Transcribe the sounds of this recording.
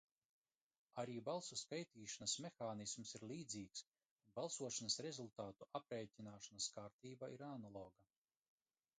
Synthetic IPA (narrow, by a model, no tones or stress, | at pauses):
aɾiːbalˠsuskajt̪iːʃanɐsmexaːnismsiɾlˠiːd̪ziːks | balˠsuɔʃanasɾɛzulˠt̪aːt̪uʔapɾeːcʲinaːʃanaskaːɾt̪iːbaiɾanalˠɔːɡa